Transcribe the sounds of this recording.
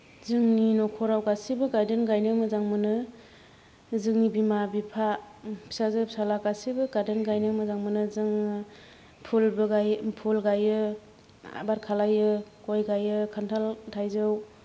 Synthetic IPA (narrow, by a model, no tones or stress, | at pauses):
zɯŋninɔkʰɔɾawɡasibɯɡaɾdenɡajnɯmɯzaŋmɯnɯ | zɯŋnibimabipʰa | pʰi̥sazɯpʰi̥salakasibɯɡaɾdenɡajnɯmɯzaŋmɯnɯzɯŋ | pʰulbɯɡajpʰulɡajɯ | a̰baɾkʰalajɯkɔjɡajɯkʰantʰaltʰajzɯw